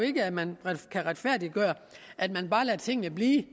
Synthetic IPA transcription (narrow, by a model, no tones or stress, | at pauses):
e̝ɡ̥əæmænʁkʰæʁad̥fæɐ̰d̥i̥ɡ̥ɶːɐ | ʔæd̥mænb̥ɑ̈ːlæt͡sʰe̝ŋ̰nəb̥liː